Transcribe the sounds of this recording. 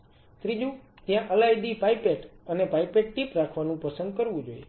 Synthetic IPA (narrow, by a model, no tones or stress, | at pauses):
t̪ɾid͡ʒũ | t̪jãʔəlajd̪ipajpeʈənepaipeʈ̚ʈipɾakʰʋanũpəsənd̪̚kəɾʋũd͡ʒoje